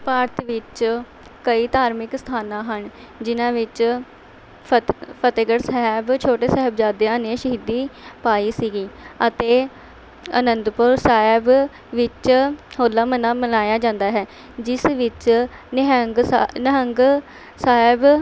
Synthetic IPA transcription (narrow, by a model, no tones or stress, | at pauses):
paːɾt̪ʋɪt͡ʃ | kəiːt̪aːɾmɪkst̪ʰaːnãːɦəɳ | d͡ʒɪnãːʋɪt͡ʃ | pʰət̪eɡəɽsɛɦɛbt͡ʃʰoːʈeːsɛɦəbd͡ʒaːd̪eãːnẽːʃəɦiːd̪iːpaːiːsiːɡiːət̪eː | ə̰nənd̪pʊɾsaːɪb | ʋɪt͡ʃhoːlaːmənãːmənaːjaːd͡ʒãːnd̪aːɦɛː | d͡ʒɪsʋɪt͡ʃ | ɦəŋɡnəɦəŋɡ | saːɪb